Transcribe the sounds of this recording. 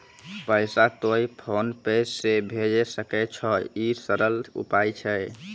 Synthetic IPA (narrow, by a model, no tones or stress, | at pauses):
pəjsat̪ojpʰonpejsːebʱed͡ʒɛsəkɛt͡ʃʰɔisəɾəlṵpajt͡ʃʰɛ